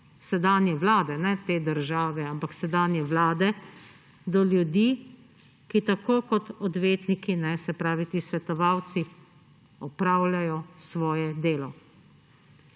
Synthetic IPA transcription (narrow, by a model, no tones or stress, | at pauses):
sɛd̪aːnjɛʋlaːd̪ɛnɛt̪eːd̪əɾʒaːʋɛampaksɛd̪aːnjɛʋlaːd̪ɛ | d̪ɔljud̪iː | kit̪akoːkɔt̪ɔd̪ʋeːt̪nikinɛsɛpɾaːʋit̪iːsʋɛt̪ɔʋawt̪si | ɔpɾaːwlʲjajɔsʋɔːjɛd̪eːlɔ